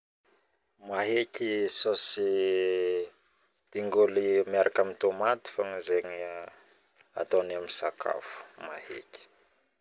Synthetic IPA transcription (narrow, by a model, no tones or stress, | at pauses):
maɦekisosi | d̪̥iŋɡulimiaɾʔakamint̪omat̪i̥faŋizeɲi | a̰t̪onamisakʰa̰fu̥mahḛki̥